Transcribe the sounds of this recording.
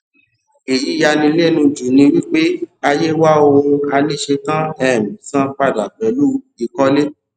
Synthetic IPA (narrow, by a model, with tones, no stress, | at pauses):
e˨ji˨˦ja˧nĩ˧le˦˨nũ˧d͡ʒu˨nĩ˧wi˦k͡pe˦a˧je˦wa˦o˧a˧li˦ʃe˧kã˦ɛ˦˨mĩ˨sã˦k͡pa˧˨da˨k͡pɛ˨lu˦ | i˨˧kɔ˦le˦